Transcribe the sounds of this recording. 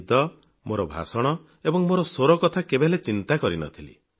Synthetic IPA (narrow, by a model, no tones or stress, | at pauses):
d̪ɔ | moɾɔbʱa̰sɔɽ̃ɔ | ebɔŋmoɾɔsoɾɔkɔt̪ʰakebelet͡ʃint̪akɔɾinɔ̰t̪ʰilḭ